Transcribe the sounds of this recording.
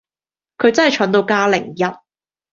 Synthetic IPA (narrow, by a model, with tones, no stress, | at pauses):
kʰɵ˨˧ɥt͡sɐ˥nhɐ˨jt͡ʃʰœː˨˥nt̪o˧wkaː˥lɪ˨˩ŋjɐ˥t̚